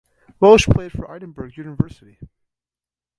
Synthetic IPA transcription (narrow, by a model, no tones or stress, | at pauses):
ɹolˠəʃpʰl̥eɪd̥fə̰˞ʔaɪɾn̩bə˞ɡjʉnəvɜ˞sɨɾi